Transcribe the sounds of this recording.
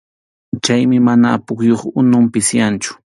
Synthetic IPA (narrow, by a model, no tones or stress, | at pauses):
t͡ʃajmɪmanaːpʊχjoχʊnʊmpɪsjant͡ʃʊ̥